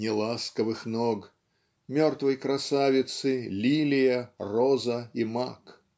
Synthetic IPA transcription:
nʲɪlˠaskəvɨxnɔɡ | mʲɔrt̪vɐjkɾasavʲɪt̪sɨlʲilʲɪjɐrɔzɐimak

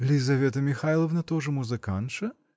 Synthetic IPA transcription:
lʲɪzɐvʲet̪əmʲɪxajlˠɐvnɐt̪oʐɨmʊzɨkant̪ʂɐ

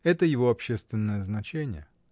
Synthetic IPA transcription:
ɛt̪əjɪvo̞ɐpɕːest̪vʲɪnːəjəznɐt͡ɕenʲɪjə

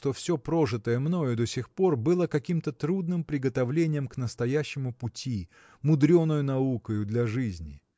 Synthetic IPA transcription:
t̪o̞fsʲo̞pɾoʐɨt̪əjəmno̞jʊd̪osʲɪxpo̞rbɨlˠəkɐkʲimt̪ət̪ɾud̪nɨmpɾʲɪɡət̪ɐvlʲenʲɪjəmknəst̪ɐjæɕːɪmʊpʊtʲi | mʊd̪ɾʲonːəjʊnɐukəjʊd̪lʲɐʐɨzʲnʲɪ

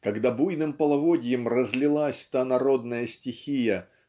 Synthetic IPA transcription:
kɐɡd̪abujnɨmpəlˠɐvodʲɪjəmrəzʲlʲɪlˠasʲt̪anɐɾo̞d̪nəjəsʲtʲɪxʲijə

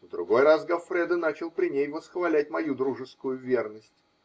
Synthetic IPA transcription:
vd̪ɾʊ̰ɡo̞jrasɡɐfɾʲɛd̪ənat͡ɕɪlˠpɾʲɪnʲejvəsxvɐlʲæt̚ʲmɐjud̪ɾuʐɨskʊjʊvʲe̞rnəsʲtʲ

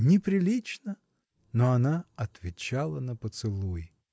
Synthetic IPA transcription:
nʲɪpɾʲɪlʲit͡ɕnə | noɐnaɐt̪vʲɪt͡ɕalˠənəpət̪sɨlˠuj

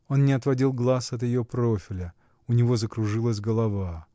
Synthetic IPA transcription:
onnʲɪɐt̪vɐdʲilˠɡlˠasɐt̪̬jɪjo̞pɾofʲɪlʲə | ʊnʲɪvo̞zəkɾʊʐɨlˠəs̬ʲɡəlˠɐva

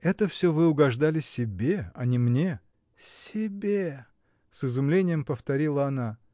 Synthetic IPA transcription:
ɛt̪əfsʲɵvɨʊɡɐʐd̪alʲɪsʲɪbʲe̞ɐnʲɪmnʲe̞ | sʲɪbʲe | sɨzʊmlʲenʲɪjəmpəft̪ɐɾʲilˠəɐna

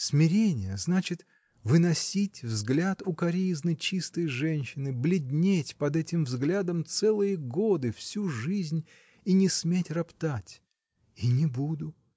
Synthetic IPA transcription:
smʲɪɾʲenʲɪjəznat͡ɕɪt̪ | vɨnɐsʲitʲvzɡlʲat̪ʊkɐɾʲijznɨt͡ɕist̪əjʐɛnʲɕɪnɨblʲɪd̪ʲnʲetʲpɐd̪ɛtʲɪmvzɡlʲad̪əmt̪sɛlˠɨjəɡo̞d̪ɨfsʲuʐɨzʲnʲ | inʲɪsmʲetʲrɐpt̪atʲ | inʲɪbud̪ʊ

